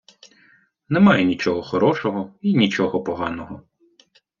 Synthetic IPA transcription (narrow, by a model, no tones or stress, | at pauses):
nɛmɑjɛnʲit͡ʃɔɦɔxɔɾɔʃɔɦɔinʲit͡ʃɔɦɔpɔɦɑnɔɦɔ